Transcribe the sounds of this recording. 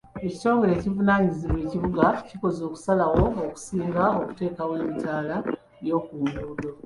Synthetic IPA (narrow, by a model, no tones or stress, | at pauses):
eci̥to̞ːŋɡe̞ɾe̞ːcivunaːɲiziβwe̞ːciβuɡaciko̞zo̞ːku̥salawo̞ːku̥siːŋɡaoku̥te̞ːkaweːmicaːla | jo̞ːkuːmduːdo